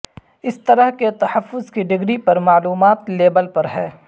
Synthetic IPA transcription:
ɪst̪ɐɾəɦket̪ɐhəfːʊzkiɖɪɡɽipɐɾmaːluːmaːt̪leːbəlpɐɾɦɛː

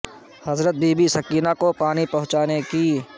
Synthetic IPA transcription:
hɐzɾət̪̚bʱiːbʱisɐkiːnakopaːnipɐɦʊ̃t͡ʃaːneki

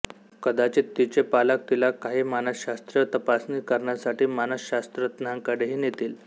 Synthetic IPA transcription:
kəd̪at͡ɕit̪ːit͡ɕepalak̚t̪ilakaɦimanəsɕast̪ɾjət̪əpasniːkəɾɳjasaʈiːmanəsɕast̪ɾət̪naŋkəɽeɦiːnjet̪iːl

